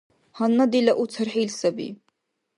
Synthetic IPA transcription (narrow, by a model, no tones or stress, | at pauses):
hanːad̪ilɐʔut͡sʰɨrħilsɐbḭ